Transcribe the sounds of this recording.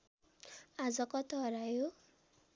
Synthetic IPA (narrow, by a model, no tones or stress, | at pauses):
ad͡zɔkɔt̪ɔɦɾaju